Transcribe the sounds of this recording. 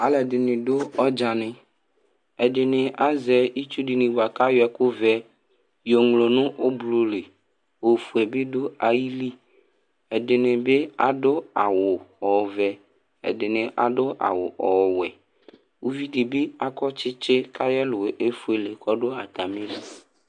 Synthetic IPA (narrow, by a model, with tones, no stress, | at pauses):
a˨lɛ˨dɪ˨nɪ̃˨ɖo˦ɔ˦d͡ʒa˨nẽ˨ | ɛ˨dɪ˨nɪ̃˨ʔa˦zɛ˨i˦t͡ʃu˦ɖi˨nĩ˨bo˨a˨ka˦jɔ˨˦ɛ˨˦ko˦vɛ˦ | jo˨ŋlo˨nʊ̃˦ʔo˦blo˨le˨ | o˨fu˨ɛ˨be˦do˦a˨ji˦li˦ | ɛ˨ɖe˨nẽ˨be˦a˨ɖo˦a˨wo˨ɔ˨vɛ˨ | ḛ˨de˨nẽ˨ʔa̰˨ɖo˦ʔa̰˨wo˨ʔɔ˨wɛ˨ | wu˦vi˦ɖi˨be˦a˦kɔ˦t͡ʃɪ˦t͡ʃe˦ka˦jɛ˦lo˨ʔe˦fu˦e˨le˨kɔ˦ɖo˦a˨t̪a˨mẽ˦vi˨